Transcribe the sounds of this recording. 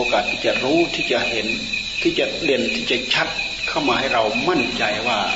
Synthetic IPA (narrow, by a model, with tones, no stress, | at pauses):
oː˧kaː˨˩t̪ʰːiː˧˩t͡ɕa˧ɾuː˦˧˥t̪ʰiː˧˩t͡ɕa˧˩he˨˧˦n | t̪ʰiː˧˩t͡ɕa˧de˧˩nt̪ʰiː˧˩t͡ɕa˧t͡ɕʰa˧˥t̪̚ | kʰa˧˥˩wmaː˧ha˥˩jɾa˧wma˧˥˩nt͡ɕa˨jwaː˧˩